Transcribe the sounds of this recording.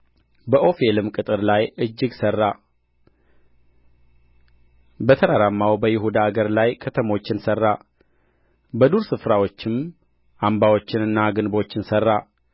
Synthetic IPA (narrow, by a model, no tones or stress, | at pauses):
bəʔo̞fe̞lɨmkʼɨt̪ʼɨɾlajɨd͡ʒːɪɡsərːa | bət̪ʰəɾaɾamːawbəjɪɦud̪aːɡəɾlajkʰət̪ʰəmo̞t͡ʃːɪnsərːa | bəd̪uɾsɨfɾawo̞t͡ʃːɪm | ʔambawo̞t͡ʃːɪnɨnːaɡɨnbo̞t͡ʃːɪnsərːa